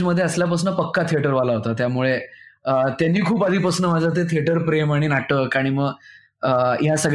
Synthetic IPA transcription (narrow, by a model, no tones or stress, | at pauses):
məd̪ʱːjeəsljap̬əs̬nəpəkːat̪ʰieʈəɾʋalaɦot̪at̪jamuɭeət̪janːiːkʰuːpad̪ʱiːpəsnəmad͡zət̪̬et̪ʰieʈəɾpɾemaɽ̃inaʈəkaɽ̃iməɡ | əjasəɡ